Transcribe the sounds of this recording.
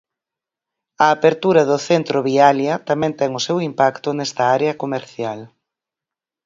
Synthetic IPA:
ɐːpeɾt̪uɾɐðʊθent̪ɾoβialjɐt̪amɛ̃nt̪ɛŋʊsewimpakt̪ʊnɛst̪ɐaɾeɐkomeɾθjal

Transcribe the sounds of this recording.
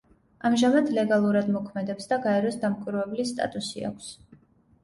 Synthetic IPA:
amʒamad̪lɛɡalˠuɾad̪mɔkʰmɛd̪ɛpsd̪aɡaɛɾɔsd̪amkʷʼwiɾvɛblist̪ʼa̰t̪ʼusḭa̰kʷʰs

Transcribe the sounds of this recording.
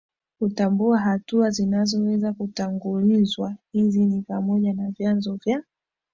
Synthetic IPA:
kutambuaɦatuazinazɔwɛzakutaŋɡulizwahizinipamɔʄanavjanzɔvja

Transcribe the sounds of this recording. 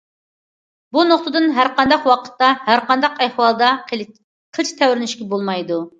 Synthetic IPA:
bunoqt̪ɨd̪ɨnɦæɾqɑnd̪ɑqwɑqʰə̥t̪ːɑhæɾqɑnd̪ɑqæhwɑlˠd̪ɑ | qʰəlˠt͡ʃʰt̪ʰɛwɾɪnyʃkʲɛbolˠmɑjd̪u

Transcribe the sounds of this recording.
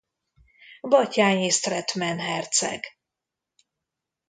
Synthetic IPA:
bɒcaːɲest̪rɛt̪mɛnɦɛrt̪sɛ̰ɡ̥

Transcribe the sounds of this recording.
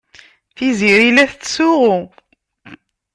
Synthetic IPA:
θiziɾilæθt͡sːsʊʁʊ

